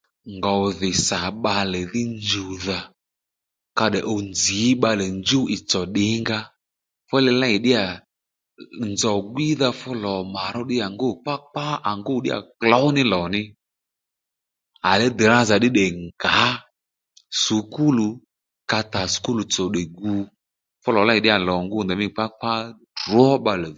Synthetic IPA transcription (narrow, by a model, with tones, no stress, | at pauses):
ŋɡa˨ðɪ˨sa˨ɓa˧lɛ˨ðɪ˦nd͡ʒu˨ða˨ | ka˧ɗɛ˨ʔɔ˧nd͡zi˨˦ɓa˧lɛ˨nd͡ʒu˦ɪ˨t͡sɔ˨ɗɪ˨˦ŋɡa˦ | fʊ˦lɛ˧la˦ɪ˨ɗɪ˦a˨ | nzɔ˨ɡi˦ða˧fʊ˦lɔ˨ma˨ɾɔ˦ɗɪ˦ja˨ŋɡo˦˨k͡pa˦k͡pa˦a˨ŋɡo˦˨ɗɪ̰˦a̰˨klɔ˦nɪ˦lɔ˨nɪ˦ | a˨lɛ˦dɛ˨ɾa˦za˨ɗɪ˦ɗɛ˨ŋɡa˨˦ | su˨˦ku˦lu˨ | ka˧ta˨su̥˨ku˦lu˨t͡sɔ˨ɗɛ˨ɡu˨ | fʊ˦lɔ˨la˦ɪ˨ɗɪ˦a˨lɔ˨ŋɡʊ˦nd̪ɛ˨mɪ˦˨k͡pa˦k͡pa˦ | dɔ˦ɓa˧lɛ˨